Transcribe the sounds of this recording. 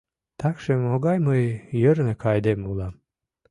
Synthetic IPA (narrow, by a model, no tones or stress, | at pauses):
t̪ɑkʃemoɣɑjməjjəɾnə̆kɑjd̪emulɑm